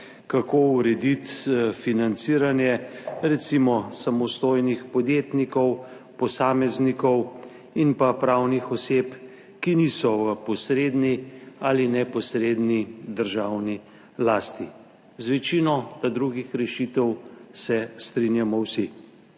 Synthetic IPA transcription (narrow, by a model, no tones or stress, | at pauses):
kakouɾɛd̪it̪finant̪siːɾanjɛɾɛt̪simɔsamɔst̪ojnixpɔd̪jet̪nikɔw | pɔsaːmɛznikɔw | inpapɾawnixɔseːp | kinisɔʋəpɔsɾeːd̪nialinɛpɔsɾeːd̪nid̪əɾʒawni | laːst̪i | zʋɛt͡ʃinɔt̪ad̪ɾuɡixɾɛʃit̪ɛwsɛst̪ɾinjamɔwsi